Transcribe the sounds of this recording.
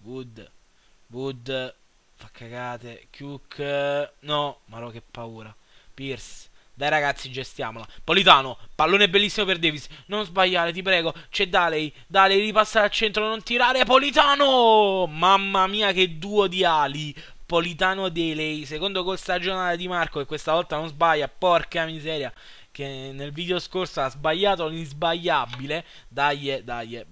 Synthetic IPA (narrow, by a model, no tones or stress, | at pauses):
vud̪ | vud̪ | fakʰːaɡaːt̪ekjukʰː | nɔmaɾɔk̟ːepːauːɾa | pirsd̪ajɾaɡat̪sːid͡ʒest̪ja̰ːmolapolit̪aːnopalːoːneɛbːelːisːimoperd̪eːvisnonzbaʎːaːɾet̪̬ip̬ɾɛːɡot͡ʃɛd̪ːalej | d̪alejɾipasːaɾalt͡ʃɛnt̪ɾonont̪iɾaːɾeapolit̪aːnomamːamiːaked̪ːuːod̪iaːli | polit̪aːnod̪ɛlɛjsekond̪okolst̪ad͡ʒonaːled̪imarkokekːwest̪avɔlt̪anonzbajːapɔrkeamizɛːɾja | k̟enːelviːd̪eoskorsoazbaʎːaːt̪olinzbaʎːabile | d̪ajːed̪a̰jːe